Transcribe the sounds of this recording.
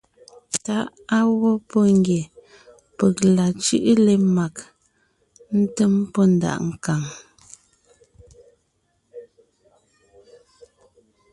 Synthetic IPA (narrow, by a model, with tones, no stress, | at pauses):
ta˨˦ʔ | a˦wɔ˦pɔ˦ŋɡje˨ | pə˨k̚la˨t͡ʃʉ˦ʔle˦ma˨k | n̩˦tə˦mpɔ˦n̩˨da̰˨ʔŋ̩˨ka˨ŋ